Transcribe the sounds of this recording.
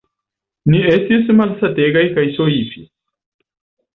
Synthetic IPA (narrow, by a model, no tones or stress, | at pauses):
niestismalsateɡajkajsoifi